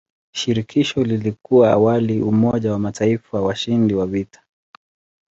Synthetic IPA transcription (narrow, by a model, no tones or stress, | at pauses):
ʃiɾikʰiʃɔlilikuwaa̰waliumɔʄawamatʰaifawaʃindiwavitḁ